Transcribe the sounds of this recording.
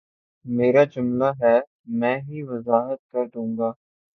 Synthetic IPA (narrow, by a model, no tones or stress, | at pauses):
meːɾad͡ʒʊmlaɦɛː | mɛ̃ːɦiʋəzaːɦət̪̚kɐɾd̪ũːŋɡaː